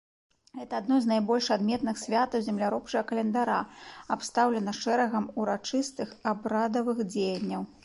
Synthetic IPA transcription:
ɣɛt̪ɐːd̪nɔjznajbɔlʲʂad̪mʲɛt̪nɨxsʲvʲat̪ɐwzʲɛmlʲaɾɔp̚t͡ʂɐɣɐkɐlʲɛnd̪aɾaapst̪awlʲɛnɐʂɛɾɐɣɐmuɾat͡ʂɨst̪ɨxabɾad̪ɐvɨxd͡zʲejɐnʲːɐw

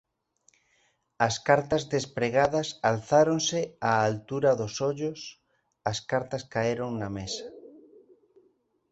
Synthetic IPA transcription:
ɐskaɾt̪ɐzðespɾeɣaðɐsalθaɾonsɪaːlt̪uɾɐðosoʎʊs | ɐskaɾt̪ɐskaeɾoŋnɐmesɐ̥

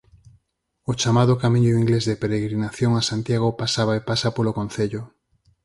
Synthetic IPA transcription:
ot͡ʃamaðokamĩɲoiŋɡlezðepeɾeɣɾinaθjoŋasant̪jaɣ̞opasaβaepasapolokon̟θeʎʊ

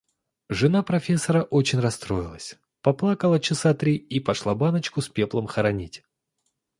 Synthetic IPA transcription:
ʐɨnapɾɐfʲe̞sːəɾəʔo̞t͡ɕɪnʲrɐst̪ɾo̞ɪlˠəsʲ | pɐplˠakəlˠət͡ɕɪsat̪ɾʲiipɐʂlˠabanət͡ɕkʊspʲe̞plˠəmxəɾɐnʲitʲ

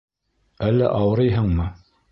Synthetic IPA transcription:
ælːæ̰ʔɑwɤ̆ɾɤjɦɤɴmɤ

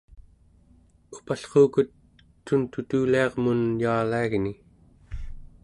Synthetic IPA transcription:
upaɬqoːkut̪ː | unt̪ut̪uːliɑʁmunjaːlaiɣni

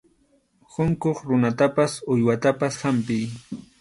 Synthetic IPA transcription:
hʊŋkoχɾʊnat̪apasʊjwat̪apashampɪj

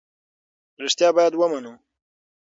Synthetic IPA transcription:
ɾɪʂt̪jɑːbɑjad̪wəmanu

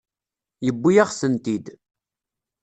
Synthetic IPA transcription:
jəbːijaʁsənt̪id̪

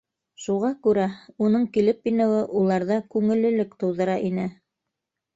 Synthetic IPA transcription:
ʃuʁɑkʉɾæunɤɴkilɘp̚pinŏwɤʔulˠɑɾðɑkʉŋɘ̆lɘ̆lɘkt̪ɤ̆wðɤ̆ɾɑʔinɘ

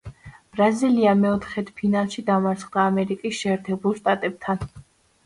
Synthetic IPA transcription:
b̥ɾaziliamɛɔt̪ʰχɛt̪ʰpʰinalˠʃid̪amaɾt̪sʰχd̪aːmɛɾikʼisʃɛːɾt̪ʰɛbulˠʃt̪ʼat̪ʼɛb̥̚t̪ʰan

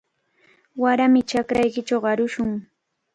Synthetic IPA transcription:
waɾamɪt͡ʃakɾajkɪt͡ʃawɢɑɾʊʃʊŋ

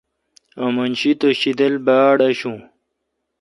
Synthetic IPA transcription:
ɐmɐnɕit̪oɕid̪ɐlbaːɽɐɕũː

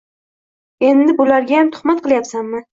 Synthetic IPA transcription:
e̞nd̪ɪbʊlaɾɡʲajamt̪ʰʊ̥χmat̪̚qɨlˠjapsanmɪ

